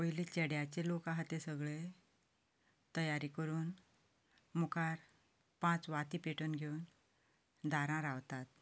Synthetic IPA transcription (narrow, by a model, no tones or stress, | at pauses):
əjlit͡ɕeɽjat͡ɕelokãɦat̪esəɡɭe | t̪əjaɾikəɾuːn | mukaɾ | pãt͡sʋat̪ipeʈənɡʱewn | d̪ʱaɾãɾaʋt̪at̪̚